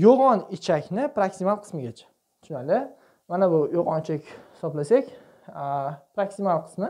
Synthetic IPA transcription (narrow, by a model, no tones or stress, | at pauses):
joʁɒnɪt͡ʃʰakʲnɪpɾaksimalˠqʰɨ̥smɪɡʲat͡ʃʰḁ | ʃʊnalɪ | manabʊjoʁɒnɪt͡ʃʰakʲhhɪsɒblasakʲ | pɾaksimalˠqʰɨ̥smɪ